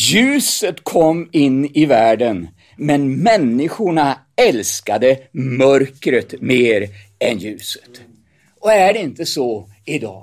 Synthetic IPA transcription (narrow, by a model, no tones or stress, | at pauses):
jʉ̟ːsət̪kʰɔmːɪnːɪvæːɖən | mɛnmɛnːɪɧʊɳa | ɛlskad̪əmœɾkɾət̪meːɾ | ɛnjʉ̟ːsə̥t̪ | ɔæɖɛɪnt̪əsɔ | ɪd̪ɑ̰ː